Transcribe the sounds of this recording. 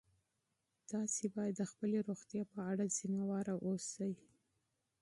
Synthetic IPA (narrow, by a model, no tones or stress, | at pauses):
d̪̥ɑsebɑjad̪ːəxpəleɾoxt̪jɑpəaɽaz̥imawɑɾaʔosaji